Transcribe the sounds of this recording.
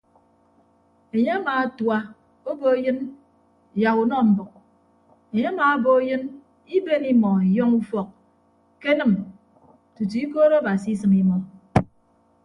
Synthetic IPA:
e˨ɲe˦a˦maː˨˦twa˦ | o˦bo˦jɨ˦n˨ | ja˨ku˨nɔ˦m̩˨bɨ˨k̚ | e˨ɲe˦a˦ma˨˦bo˦jɨ˦n | i˦be˦ni˦mɔ˨i˨jɔ˦ŋu˦fɔ˨k̚ | ke˦nɨ˦m | tu˨ti˨i˦ko˦ɾo˦a˦ba˨si˦i˦sɨ˨mi˦mɔ˨

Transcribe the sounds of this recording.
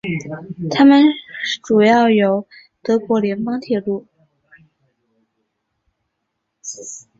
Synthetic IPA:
t̪ʰa˥mə˨nʈ͡ʂu˨˩jɑ˥˩ʊjo˧˥ʊ | t̪ɤ˧˥kwɔ˧˥ljɛ˧˥npɑ˥ŋt̪ʰjɛ˥˩lu˥˩

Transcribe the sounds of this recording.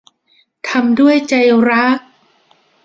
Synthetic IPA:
t̪ʰa˧mdu˥˩əjt͡ɕa˧jɾa˦˥k̚

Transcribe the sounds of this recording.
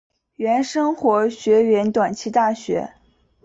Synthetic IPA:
ɥɛ˧˥nʂɤ˥ŋxwɔ˧˥ɕɥɛ˧˥ɥɛ˧˥nt̪wa˨˩nt͡ɕʰi˥˧t̪a˥˩ɕɥɛ̰˧˥

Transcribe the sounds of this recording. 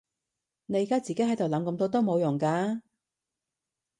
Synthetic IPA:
ne˨˧jkaː˥t͡siː˨ke˨˥jhɐ˨˥jt̪o˨˩wlɐ˨˧mkɐ˨˥mt̪o˧wt̪o˥wmo˨˧wjʊ˨˩ŋkaː˧˥

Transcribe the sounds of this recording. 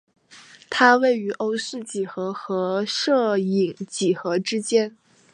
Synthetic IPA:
t̪ʰa˥we˥˩ɪy˧˥ʔo˥ʊsɹ̩˥˩t͡ɕi˨˩xɤ˧˥xɤ˧˥ʂɤ˥˩i˨˩˦ŋt͡ɕi˨˩xɤ˧˥ʈ͡ʂɻ̩˥t͡ɕjɛ˥n

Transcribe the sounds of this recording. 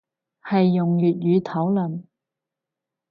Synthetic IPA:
hɐ˨jːʊ˨˩ŋjyː˨t̚jyː˨˧t̪ʰɐ˨˥wlɵ˨˩m

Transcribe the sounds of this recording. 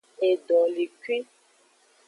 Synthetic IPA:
e˨ɖɔ̃˨li˨kwi˦

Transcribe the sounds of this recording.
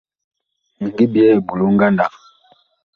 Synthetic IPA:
ŋ˨ɡi˦bjɛ˦˨bu˨lu˦ŋ˦ɡa˦nda˨k

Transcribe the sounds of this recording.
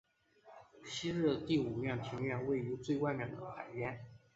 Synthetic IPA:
ɕi˥ɻ̩˥˧t̪i˥˩u˨˩ljɑ˥˩ŋt̪ʰi˧˥ŋɥɛ˥˩nwe˥˩ɪy˧˥t͡swe˥˧ɪkwa˥˩nnjɑ˨˩ŋd̪ə˦xa˨˩ɪɥɛ˧˥n

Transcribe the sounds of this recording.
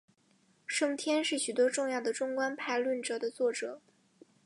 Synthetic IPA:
ʂɤ˥˧ŋt̪ʰjɛ˥nʂɻ̩˥˩ɕy˨˩t̪wɔ˥ʈ͡ʂʊ˥˧ŋjɑ˥˩ʊd̪ə˩ʈ͡ʂʊ˥ŋkwa˥npʰa˥˧ɪlwə˥˩nʈ͡ʂɤ˨˩d̪ə˦t͡swɔ˥˩ʈ͡ʂɤ˨˩˦

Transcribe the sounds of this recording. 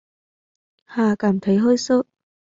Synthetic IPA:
haː˧˩kaː˧˩m̩˨t̪ʰe˨˥jɦɔː˥jsʊ˥

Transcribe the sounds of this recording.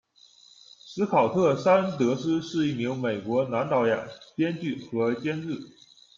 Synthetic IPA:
ʂɹ̩˧˥kʰɑ˨˩ʊt̪ʰɤ˥˩sa˥nnt̪ɤ˧˥sɹ̩˥ʂɻ̩˥˧i˥˩mi˧˥ŋme˨˩ɪkwɔ˧˥na˧˥nt̪ɑ˧˥ʊja̰˨˩ŋpjɛ˥nt͡ɕy˥˩xɤ˧˥t͡ɕjɛ˥nɻɻ̩˥˩

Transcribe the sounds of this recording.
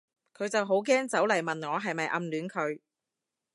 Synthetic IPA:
kʰɵ˨˧ɥt͡sɐ˨wɦo˨˥wk̬ɛː˥ŋt͡sɐ˨˥wlɐ˨˩jmɐ˨nŋɔː˨˧ɦɐ˨jmɐ˨jʔɐ˧mlyː˨˥nkʰɵ˨˧ɥ

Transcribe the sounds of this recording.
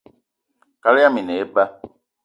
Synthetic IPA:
ka˦lɪ˦a˦mĩ˨ne˨e˦ba˦

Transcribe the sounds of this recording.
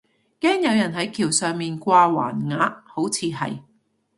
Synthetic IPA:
kɛː˥ŋjɐ˨˧wjɐ˨˩nɦɐ˨˥jkʰiː˨˩wsœː˨ŋmiː˨nkʷaː˧wa̰ː˨˩nŋaː˨˧˥t̚ho˨˥wt͡sʰiː˨˧ɦɐ̰˨j

